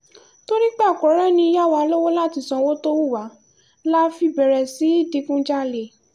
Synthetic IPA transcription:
to˦ɾi˦k͡pa˦˨kɔ˨˦ɾɛ˦˨nĩ˧˦ja˦˨wa˧lo˦wo˦la˦˨ti˨˧sɔ̃˧wo˦to˦wu˦˨wa˨˦ | la˦fi˧˨bɛ˨ɾɛ˨si˨˦i˦˨di˨˧kũ˦d͡ʒa˦le˨

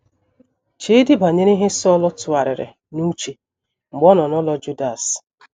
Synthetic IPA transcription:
t͡ʃe˦di˦ba˨ɲe˦ɾi˦ɦe˦sɔ˦lɔ˦tʊ˨a˨ɾɪ̰˨ɾɪ̰˨ | nu˦t͡ʃe˨ | ŋ͡m̩˨ɡ͡bɔ˦nɔ˨nɔ˦lɔ˦d͡ʒu˦da˨s

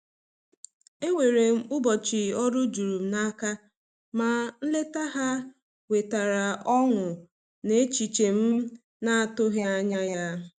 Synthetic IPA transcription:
e˦ŋʷe˨ɾe˨m̩˦ʊ˦bɔ˨t͡ʃɪ˨ɔ˦ɾʊ˦d͡ʒu˨ɾu˨m̩˦na˦ka˦ | ma˨n̩˦le˦ta˦ɦa˦ | we˨ta˨ɾa˨ʔɔ˦ŋʊ˨ | ne˦t͡ʃi˨t͡ʃe˨m̩˦ | na˦a˦tʊ˦ɦja˦ɲa˦ja˦

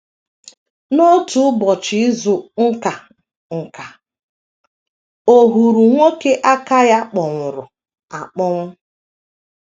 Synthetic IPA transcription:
no˦tu˨˦bɔ˨t͡ʃɪ˨ɪ˦zʊ˨ŋ̩˦ka˨ | ŋ̩˨ka˨ | o˨ɦu˨ɾu˨ŋʷo˦ke˦ʔa˦ka˦ja˦k͡pɔ˨ŋʷʊ˨ɾʊ˨ | a˨k͡pɔ˦ŋʷʊ˦

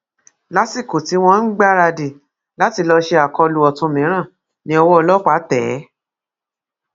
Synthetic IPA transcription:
la˦si˦˨ko˨ti˨˦w̃ɔ̃˦n̩˦ɡ͡ba˦ɾa˧di˨ | la˨˦ti˧lɔ˧ʃe˧a˨kɔ˧lu˨ɔ˨tũ˧mĩ˨˦ɾ̃ã˦˨ | nĩ˧˦ɔ˧wɔ˦ɔ˧lɔ˦k͡pa˨˦tɛ˨˦

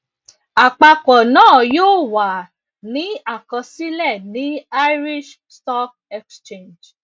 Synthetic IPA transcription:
a˨k͡pa˧kɔ˨nãː˦˨joː˦wa˨ | nĩ˨˦a˦˨kɔ̃˨˧si˦lɛ˦˨nĩ˨˦a˦jɾi˦ʃ | stɔ˦k̚ | ɛ˧kst͡ʃẽ˦˨nd͡ʒ

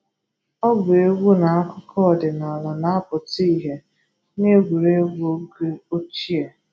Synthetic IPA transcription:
ɔ˦ɡʊ˨e˦ɡʷu˦na˨a˦kʊ˦kʰɔ˦˨dɪ˨na˨la˨na˨˦pʊ˨ti˦ɦe˨ | ne˦ɡʷu˨ɾe˦ɡʷo˦ɡe˦o˦t͡ʃi˦e˨

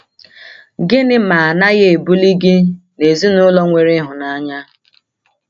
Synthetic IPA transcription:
ɡɪ˦nɪ˦ma˨a˨na˦ɣe˦e˨bu˦li˦ɡɪ˦ne˨zi˦nʊ˦lɔ˦ŋʷe˨ɾɪ˦ɦʊ˨na˦ɲa˦

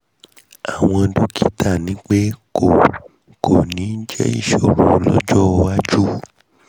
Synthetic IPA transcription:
a˨w̃ɔ̃˧du˦kʰi˦tʰa˦˨nĩ˨˦k͡pe˦ko˨ | kʰo˨nĩ˨˦n̩˦d͡ʒɛ˦ḭ˦˨ʃɔ˨ɾũ˧˨˦lɔ̰˦d͡ʒɔ˦˧wa˦d͡ʒu˦˨

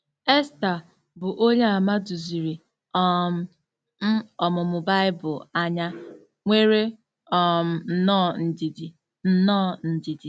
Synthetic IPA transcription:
e˦sta˨ | bʊ˨ʔo˦ɲe˦a˨ma˦du˨zi˨ɾi˨ | ɔ˦m̩˨ | m̩˦ɔ˨mʊ˨mʊ˨ba˦ɪ˦bʊ˨a˦ɲa˦ | ŋʷe˦ɾe˦ | ɔ˨m̩˨n̩˨nɔː˦˨n̩˨di˨di˨ | n̩˦nɔ˦˨n̩˨di˨di˨

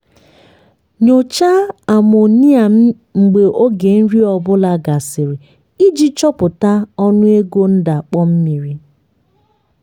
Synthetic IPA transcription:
ɲo˨t͡ʃa˦a˨mo˨ni˦a˨m̩˦ | ŋ͡m̩˨ɡ͡be˨ʔo˦ɡe˨n̩˦ɾi˦ɔ˨bʊ˦la˨ɡa˨sɪ˨ɾi˨ | i˦d͡ʒi˦t͡ʃɔ˦pʊ˨ta˦ɔ˦nʊ˦e˦ɡo˦n̩˦da˨k͡pɔ˦m̩˦mi˨ɾi˦

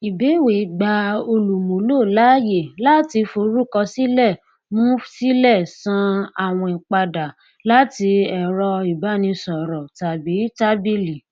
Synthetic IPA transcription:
i˨be˨˦˨we˨ɡ͡ba˧o˧lu˨mũ˨˦lo˦˨la˨˦je˦˨la˦ti˧fo˧ɾu˦˨kɔ˧si˦lɛ˦˨ | mũ˦si˦lɛ˦˨sã˧a˨w̃ɔ̃˧i˨k͡pa˧da˨ | la˦ti˧ɛ˨ɾɔ˧i˨ba˨˦nĩ˧sɔ˨ɾɔ˨ta˨bi˨˦ta˦bi˦li˨

